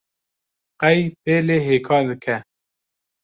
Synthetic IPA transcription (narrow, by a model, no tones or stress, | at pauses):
qɛjpeːleːɦeːkʰɑːɾd̪ɨkʰɛ